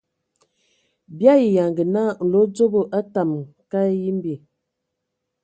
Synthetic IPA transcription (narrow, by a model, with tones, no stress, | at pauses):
bja˦i˨ja˨ŋɡə˨na˦˨n̩˨lo˨˦d͡ʒo˦bo˦ʔa˦ta˨mka˦ji˦m˦bi˨